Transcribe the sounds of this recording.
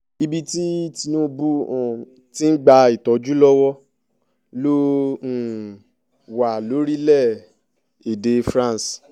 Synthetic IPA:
i˧bi˧ti˦ti˧nõ˦bu˦ɔ̃˨ | tĩ˦n̩˦ɡ͡ba˧i˨tɔ˨˦d͡ʒu˦lɔ˦wɔ˦ | lõ˦˨ | wa˨lo˨˦ɾi˦lɛ˦˨ | e˨de˧fɾã˦˨s

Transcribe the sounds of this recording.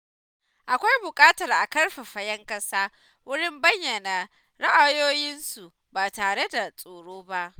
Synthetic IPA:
ʔa˨kʷa˦jbʊ˨kʼaː˦tɐ˨rʔa˨kɐ˦rɸa˨ɸɐ˨jɐ˦ŋkɐ˦saː˦ | wʊ˦ɽɪ˦mbɐ˦ɲjɐ˨na˨ | ɽɐ˦ʔa˨joː˦jɪ˦nsu˨ʔ | baː˨taː˨ɽe˦da˨sʼoː˨ɽoː˦ba˦ʔ

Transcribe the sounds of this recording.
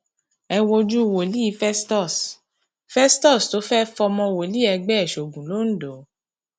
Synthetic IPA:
ɛ˧wo˧d͡ʒu˦˨wo˨li˦i˨˧˦fɛ˦stɔ˦˨s | fɛ˦stɔ˦˨sto˨˦fɛ˦fɔ˧mɔ̃˧wo˨li˦ɛ˧ɡ͡bɛ˦ɛ˨ʃo˨ɡũ˨lo˨˦n̩˦do˨˦

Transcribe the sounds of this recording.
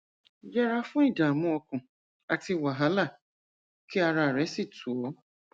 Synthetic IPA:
ja˦ɾa˦fʊ̃˦i˦˨da˨mʊ̃˦ɔ˧kʊ̃˨ | a˨ti˦wa˨ɦa˨˦la˦˨ | ki˦a˧ɾa˨ɾɛ˨˦si˦˨tʰu˨ɔ˨˦

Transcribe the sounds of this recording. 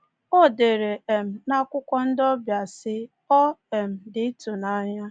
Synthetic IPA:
o˦˨de˨ɾe˨e˨m̩˨na˦kʷʊ˦kʷɔ˦n̩˦dɔ˦bja˨sɪ˦ | ɔ˦e˨m̩˨dɪ˨˦tu˨na˦ɲa˦

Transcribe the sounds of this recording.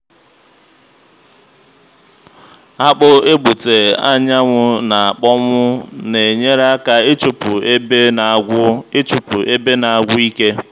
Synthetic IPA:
a˦k͡pʊ˦e˦ɡ͡bu˨te˨a̰˦ɲa˦ŋʷʊ˦na˨a˨k͡pɔ˦mʊ˦ne˨ɲe˦ɾa˦ka˨e˦t͡ʃu˨pʊ˨e˦be˦na˨ɡʷʊ˦e˦t͡ʃu˨pʊ˨ʔe˦be˦na˨a˨ɡʷʊ˦i˦ke˦

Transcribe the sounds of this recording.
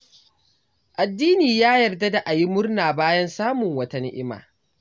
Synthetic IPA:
ʔa˨dːiː˦niː˨jaː˦jɐ˨rda˦da˨ʔa˨ji˦mʊ˦rnaː˨baː˦jɐ˦nsaː˦mʊ˨ŋwɐ˦tɐ˦nɪ˦ʔɪ˦ma̰ː˨

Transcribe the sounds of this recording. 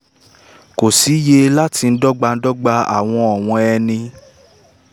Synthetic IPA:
ko˨si˨˦je˧la˦ti˧n̩˦dɔ˦ɡ͡ba˧n̩˦dɔ˦ɡ͡ba˧a̰˨w̃ɔ̃˧ɔ˨w̃ɔ̃˧ɛ˧nĩ˧

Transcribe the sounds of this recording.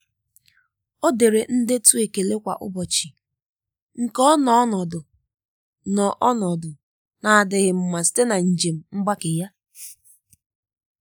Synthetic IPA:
o˦de˨ɾe˨n̩˦dɪ˦tu˦e˨ke˨le˦kʷa̰˨ʔʊ̰˦bɔ˨t͡ʃi˨ | ŋ̩˨kɔ˦nɔ˨˦ɔ˦nɔ˨dʊ˨ | nɔ˨ʔɔ˦nɔ˨dʊ˨ | na˨a˨dɪ˨ɣɪ˨m̩˨ma˨si̥˦te˦na˨n̩˨d͡ʒe˨m̩˦ŋ͡m̩˦ɡ͡ba˦kɪ˨ja˦

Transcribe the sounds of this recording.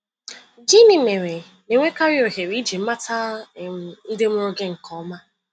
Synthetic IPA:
d͡ʒi˦ni˨me˨ɾe˨ | ne˨ŋʷe˦ka˦ɾjo˨ɦe˨ɾi˦d͡ʒi˨m̩˦ma˦ta˦˨ | n̩˦dɪ˦mʊ˦ɾʊ˦ɡe˦ŋ̩˨kɔ˨˦ma˦

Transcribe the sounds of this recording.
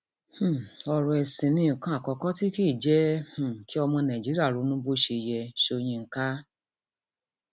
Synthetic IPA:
h̩˦˨ɔ˧ɾũ˧ɛ˧sĩ˨nĩ˨˦˨kã˦a˦˨kɔ˧kɔ˦ti˦ki˦˨d͡ʒɛ˦h̩˨ki˦ɔ˧mɔ̃˧nã˨d͡ʒi˨˦ɾi˦a˦˨ɾo˨˧˦nũ˦bo˦ʃe˧jɛ˧ʃo˧j̃ĩ˧ŋ̩˨˦ka˦

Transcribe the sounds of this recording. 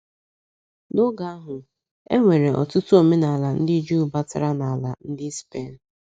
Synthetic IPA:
nʊ˦ɡa˨a˦ɦʊ˨ | ḛ˦ŋʷe˨ɾe˨ʔɔ̰˨tʊ˦tʊ˦o˨me˦na˨a˨la˨n̩˦dɪ˦d͡ʒu˦˨ba˦ta˨ɾa˦na˨a˨la˨n̩˦dɪ˦spe˦˨n̩˨

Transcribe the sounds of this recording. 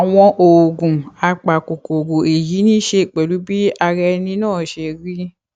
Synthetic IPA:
a˨w̃ɔ̃˧ʔo˨ɡũ˨a˨˧k͡pa˨ko˨ko˨ɡo˨e˨ji˨˦nĩ˦ʃe˧˨k͡pɛ˨lu˨˦bi˦a˧ɾɛ˧nĩ˧˦nãː˦˨ʃe˧ɾi˦

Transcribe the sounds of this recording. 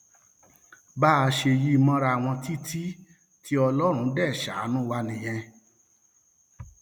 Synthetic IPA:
ba˦˧ʃe˧ji˦˧mɔ̃˦˧ɾa˧˨w̃ɔ̃˧ti˦tʰi˦ | tʰi˦ɔ˧lɔ˦ɾ̃ũ˧˦dɛ˦˨ʃa̰˨˦nũ˦wa˧nĩ˨j̃ɛ̃˧

